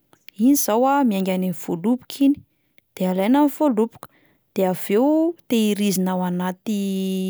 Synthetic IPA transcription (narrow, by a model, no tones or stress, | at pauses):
iniz̥awamiaŋɡʲanenifolupu̥kʰini̥ | d̪̥ealajnamifolupu̥kə̥ | d̪̥eav̥ewt̪eiɾizinawanat̪i